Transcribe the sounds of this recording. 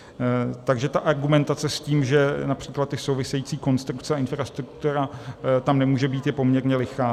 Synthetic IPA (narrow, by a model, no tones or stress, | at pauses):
t̪aɡʒɛt̪aʔaɾɡumɛnt̪at͡sɛsciːmʒɛnapr̝̥iːklat̪ːɪso̞wvɪsɛjiːt͡siːko̞nst̪ɾukt͡sɛaɪnfɾast̪ɾuk̚t̪uɾat̪amnɛmuːʒɛbiːt̪jɛpo̞mɲɛɾɲɛlɪxaː